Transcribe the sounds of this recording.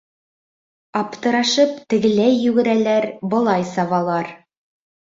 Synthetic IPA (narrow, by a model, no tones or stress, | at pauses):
ɑpt̪ɤ̆ɾɑʃɤpt̪ɘ̆ɡɘ̆læjːʉɡɘ̆ɾælæɾbɤ̆lˠɑjsɑβɑlˠɑɾ